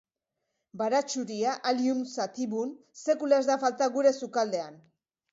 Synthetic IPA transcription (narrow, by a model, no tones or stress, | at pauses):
baɾat͡ʃuɾiaʔaliunsat̪iβun | se̞kulaezd̪afalt̪aɣuɾe̞sukald̪e̞an